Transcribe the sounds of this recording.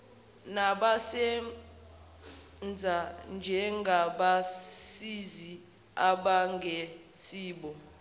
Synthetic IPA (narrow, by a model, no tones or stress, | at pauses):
naɓasɛ | nd͡zʱand͡ʒʱɛŋɡʱaɓasizi | aɓaŋʱɛ | siːɓɔ